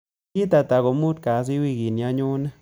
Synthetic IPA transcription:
ji˦t̪a˧t̪a˨ɡo˨mu˦d̪ka˨z̬i˦wi˦˧ɡi˨nja˧ɲu˦na˦

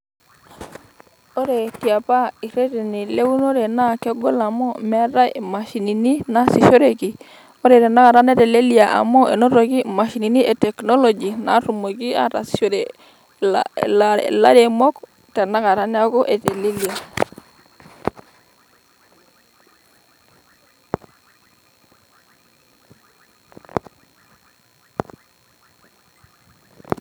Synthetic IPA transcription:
o˦ɾe˨ki˨a˨pa˦i˨ɾe˦te˨ni˨le˦wu˦no˦ɾe˨na˦ke˦ɡo˦la˨mo˦me˦ɾa˦ma˨ʃi˨ni˨ni˦na˦si˨ʃo˦ɾe˨ki˨ | o˦ɾe˨te˨na˦ka˨ɾa˦ne˦te˨le˦li˦a˨ʔa̰˨mo˦ʔe˨no˦ɾo˨ki˦ma˨ʃi˨ni˨ni˦ʔe˨te˨kno˦lo˨d͡ʒi˨na̰˨ɾu˨mo˨ɡi˦a̰˦ɾa̰˨si̥ʃo˦ɾe | la̰laɾemok | te˨na˦ka˨ɾanaɡo˦ʔe˨telelia

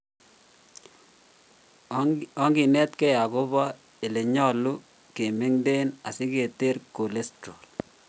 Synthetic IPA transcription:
ɔ˦ŋɡi˨nɛ˦t̪kɛ˦ja˨ɡo˦bɔ˦ | e˨le˨ɲɔ˦lu˦ | ke˨me˦ŋde˦na̰˨sɪ˦ke˨te˦ɾko˨le˦stɾo˨l

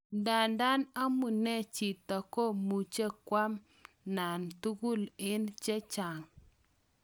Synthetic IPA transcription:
nda˨nda˦na˦mu˨ne˦t͡ʃi˨ta˨ko˦mu˨t͡ʃe˦kwa˦m | na˨ntu˦ɡu˦˨lɪ˦nt͡ʃe˦t͡ʃa˨ŋ

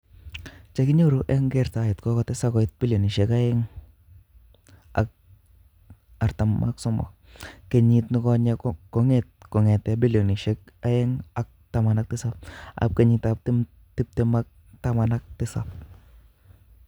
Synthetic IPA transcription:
t͡ʃa˦kɪ˦ɲo˦ɾuʔɛ˦ŋɡɛ˨ɾta˨jɪ˨tkɔ˦kɔ˨tɛ˦sa˦kɔ˨ɪt̚bi˦ljo˨ni˨ʃɛ˦ka˦jɛ˦ŋ | a̰˨k̚ | a˨ɾta˨mːʔa̰ksɔ˦mɔ̰˨ | ke˨ɲi˦tnɪ˦kɔ˦ɲakɔ˦ŋet̚kɔ˨ŋɛ˨tɛbi˦ljo˨ni˨ʃɛ˦k̚ | a˦ɛ˦ŋa˨k̚ta˦ma˨na˦k̚tɪ˦sa˦p̚a̰p̚ke˨ɲitap̚tɪ | ti˦p̚tɛ˦ma˦k̚ | tama˨na˦k̚tɪ˦sa̰p̚

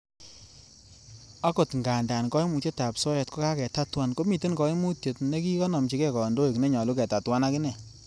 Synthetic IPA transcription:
a˦ko˨tŋɡa˨nda˨nkɔ˦i˦mu˨tje˦ta˨psɔ˦jɛ˨tko˦ka˦kɛ˨ta˦twa˦nko˦mi˨te˦nkɔ˨i˦mu˦tje˨tne˦ki˦kɔ˦nɔ˨mt͡ʃi˨kɛ˦kɔ˨ndo˦i˨kne˦ɲɔ˨lu˦kɛ˨ta˨twa˦na˦kɪ˦nɛ˨

